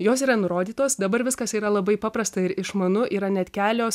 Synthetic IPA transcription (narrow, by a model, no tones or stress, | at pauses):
joːs̬iːɾɐnʊɾoːd̪ʲiːt̪oːsd̪ɐbɐɾʋʲɪskɐsiːɾɐlˠɐbɐɪpɑːpɾɐst̪ɐɪɾɪʃmɐnʊʔiːɾɐnʲɛt̪ʲkʲæːlʲoːs